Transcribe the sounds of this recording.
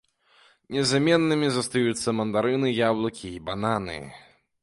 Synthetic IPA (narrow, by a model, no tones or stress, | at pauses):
nʲɛzamʲɛnːɨmʲizɐst̪ajut̪sːɐmɐnd̪aɾɨnɨjablˠɐkʲiːbananɨ̰